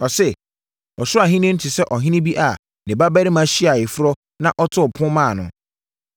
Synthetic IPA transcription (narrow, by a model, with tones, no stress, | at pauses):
ɔ˨sɛ˦ | ɔ˨sʊ˦a˨ɦĩ˦nɪ̃˦n̩˦tʰɪ˨sɛ˦ʔɔ˨ɦɪ̃˦nɪ̃˦bi˦ʔa˨ | nɪ̃˨ba˦ba˦ɾɪ˦mã˦ɕi˦a˨jɪ˨fɾɔ˦ | nã˦ʔɔ˦tʰʊ˦ɔ˨pʰʊ̃˦mãː˦˨nʊ̰̃˨